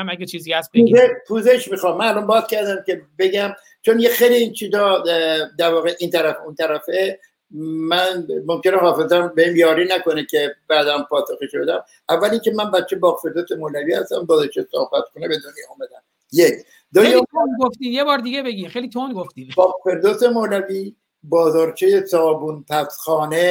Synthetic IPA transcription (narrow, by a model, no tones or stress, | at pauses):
æmæɡet͡ʃʰiːziæsbepʰuːzeʃmiːxɒːmːænælɒnbɒːzcæɾd̪æmcʲe̞be̞ɟæm | t͡ʃʰonjexejliint͡ʃʰiːzɒːd̪æɾvɒːɣeʔiːnt̪ʰæɾæfunt̪ʰæɾæfe | mænmo̞mkenehɒːfezæmbeimjɒːɾinæko̞necʰe̞bæːd̪ænpʰɒːsoxeʃbed̪æm | ʔævːæliŋce̞mænbæt̪t͡ʃʰːebɒːɣfe̞ɾd̪osemoːlæviːhæst̪æmbɒːzɒɾt͡ʃʰejso̰hbæt̪kʰonebe̞d̪onjɒːmæd̪æn | jecʰ | d̪ɒːjeonɡoft̪ijebɒːɾd̪iɡebeɡimxejlit̪ʰonɡoft̪ibɒːɣfe̞ɾd̪ose̞moːlævi | bɒːzɒːɾt͡ʃʰejesɒːbunpʰæsxɒːne